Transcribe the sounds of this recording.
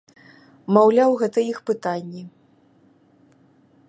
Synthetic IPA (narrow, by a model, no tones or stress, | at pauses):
mawlʲawɣɛt̪ɐixpɨt̪anʲːi